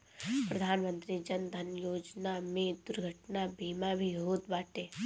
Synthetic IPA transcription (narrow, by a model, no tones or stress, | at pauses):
pɾəd̪ʱaːnmə̃nt̪ɾid͡ʒənd̪ʱənjoːd͡ʒnamẽd̪ʊɾɡʱəʈnabʱiːmabʱiɦoːt̪baːʈeː